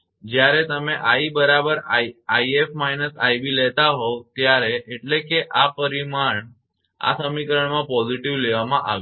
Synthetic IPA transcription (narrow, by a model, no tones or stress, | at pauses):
d͡ʒjaɾet̪əmẽʔaibəɾabəɾajefmainəsajbilɛt̪aɦot̪jaɾeʔeʈlekeʔapəɾimaɳ | a̰səmikɾəɳmãpɔziʈiʋleʋamãʔa̰ʋ